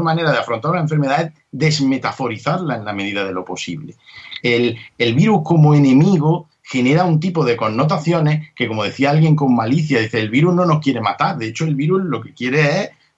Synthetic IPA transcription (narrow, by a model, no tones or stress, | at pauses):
mane̞ɾaðe̞afɾont̪aɾunaeɱfeme̞ðaeɦ | ðe̞zme̞t̪afo̞ɾiθaɾlae̞nlame̞ðiðaðe̞lo̞po̞siβle̞elelβiɾuhko̞moe̞nẽ̞miɣo | xe̞ne̞ɾaunt̪̬ipo̞ðe̞ko̞nːo̞t̪̬aθjo̞ne̞hke̞ko̞mo̞ðe̞θiaalɣje̞ŋko̞mːaliθjaðiθe̞ːlβiɾuɦno̞no̞hkje̞ɾe̞ma̰t̪aɾðeet͡ʃoelβiɾuzlo̞ke̞kje̞ɾe̞e